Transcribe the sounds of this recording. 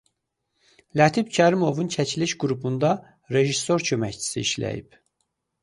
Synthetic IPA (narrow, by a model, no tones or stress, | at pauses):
læt̪ʰibcʰæɾimo̞vuncʰæt͡ʃʰiliʃɡuɾupʰund̪ɑ | ɾe̞ʒisːo̞ɾcʰø̞mæct͡ʃʰi̥sḭiʃlæ̰jḭp